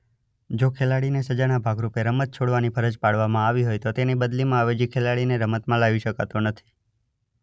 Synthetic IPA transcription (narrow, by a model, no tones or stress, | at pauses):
d͡ʒokʰelaɽinesəd͡ʒaɽ̃abʱaɡɾupeɾəmət̪̚t͡ʃʰoɽʋanipʰəɾəd͡ʒpaɽʋamãaʋiɦojt̪ot̪enibəd̪limãaʋed͡ʒikʰelaɽineɾəmət̪mãlaʋiʃəkat̪onət̪ʰi̥